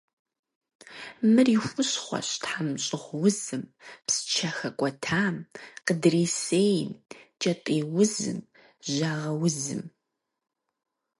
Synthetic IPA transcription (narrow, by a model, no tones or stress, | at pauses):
mɨrixʷʊɕχʷɔ̰ɕtħamɕʼɪʁʷwʊzɨmpsɨ̥t͡ʃʰɐxɐkʷʼɔtʰaːmqədreːseːjmt͡ʃʼɐtʼiːwʊzɨ̰m | ʒaːʁɐwʊzɨ̰m